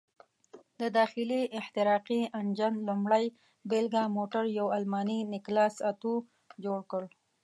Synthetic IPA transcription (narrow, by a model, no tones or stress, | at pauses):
d̪əd̪ɑxɪliɪht̪ɪɾɑqiand͡ʒanlʊmɽaj | belɡamoʈaɾjawalmɑninɪklɑsat̪u | d͡ʒoɽkəɽ